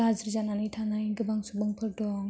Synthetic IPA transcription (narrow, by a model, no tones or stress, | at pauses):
azəɾzananajtʰanajɡɯbaŋsubaŋpʰɯɾdɔŋ